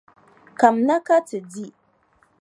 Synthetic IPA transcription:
ka˨mna˦ka˦tɨ˨di˦

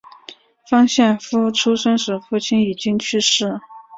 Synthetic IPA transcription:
fɑ˥ŋɕjɛ˥˩nfu˥˩ʈ͡ʂʰu˥ʂə˥ŋʂɻ̩˧˥˩fu˥˩t͡ɕʰi˥ni˨˩t͡ɕi˥ŋt͡ɕʰy˥˧ʂɻ̩˥˩

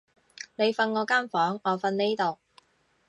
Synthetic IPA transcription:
ne˨˧jfɐ˧nŋɔː˨˧kaː˥nfɔː˨˥ŋɔː˨˧fɐ˧nne˥jt̪o˨w

